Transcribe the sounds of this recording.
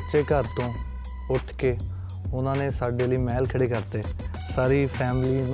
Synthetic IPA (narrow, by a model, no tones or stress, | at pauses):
ʃeːkəɾt̪õː | ʊʈʰkeː | ʊnãːnẽːsaːɖeːliːmɛːlkʰəɽeːkəɾt̪eː | saːɾiːpʰɛːmliː